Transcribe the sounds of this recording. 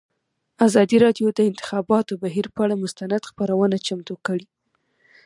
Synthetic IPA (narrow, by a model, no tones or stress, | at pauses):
azɑd̪iɾɑɖjod̪əɪnt̪ɪ̥xɑbɑt̪obaɦiɾpəaɽamʊst̪anad̪xpəɾawənat͡ʃamt̪okəɽi